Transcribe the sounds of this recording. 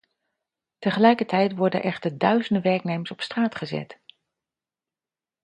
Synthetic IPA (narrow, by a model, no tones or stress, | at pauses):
təχəlɛjkəɹtʰɛjtʋɔɹdə̰nʔɛχtəɹdœɥzəndəʋɛɹknejməɹsɔpstraːtχəzɛ̰t